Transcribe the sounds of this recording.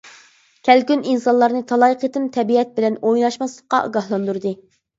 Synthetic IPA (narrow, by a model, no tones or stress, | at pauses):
kʲʰɛlɡʲyninsɑnlˠɑɾnɨt̪ʰɑlˠɑjqʰət̪ɨnt̪ʰɛbiɛt̪̚bɪlɛnojnɑʃmɑslˠəqːɑ̰ʔṵɡɑhlˠɑnd̪uɾd̪ɨ